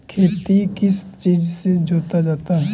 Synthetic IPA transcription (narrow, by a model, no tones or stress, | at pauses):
kʰeːt̪ikɪst͡ʃiːd͡ʒsed͡ʒoːt̪ad͡ʒaːt̪aɦɛː